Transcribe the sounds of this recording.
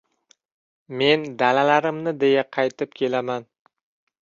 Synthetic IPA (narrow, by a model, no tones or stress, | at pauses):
me̞nd̪alalaɾɪmnɪd̪e̞jaqʰɑjt̪ʰɪp̚kʲʰe̞laman